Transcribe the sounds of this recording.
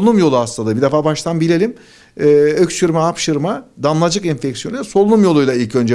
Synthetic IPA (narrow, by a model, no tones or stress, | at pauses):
lˠunumjo̞lˠuasˠand̪ˠabid̪efaːbaʃt̪anbilʲelʲim | ɛːøct͡ʃɯɾmaːpʃɯɾmad̪anlˠad͡ʒɯkɛnfɛcsjonuso̞lˠunumjo̞lˠujlˠailʲcø̞nd͡ʒɛ